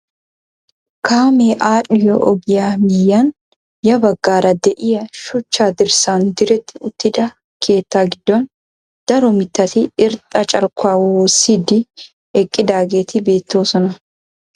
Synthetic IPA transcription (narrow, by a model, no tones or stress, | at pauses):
kaːmeːʔaːᶑɪjɔʔɔɡɪjaːmɪjːan | jɐbɐɡːaːɾɐd̪ɛʔɪjɐʃʊt͡ʃːaːd̪ɪɾsaːnd̪ɪɾɛt̪ːɪʊt̪ːɪd̪ɐ | kʰe̞ːt̪ːaːɡɪd̪ːɔn | d̪̥ɐɾɔmɪt̪ːɐt̪ɪɪɾt̪ʼːɐt͡ʃʼɐlkːʊaːwwoːsːiːd̪ɪ | ɛkʼːɪd̪aːɡeːt̪ʰɪbe̞ːt̪ːo̞ːsɔnɐ